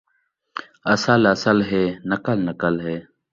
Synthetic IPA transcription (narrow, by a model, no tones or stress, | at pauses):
əsələsəlɦeːnəkəlnəkəlɦeː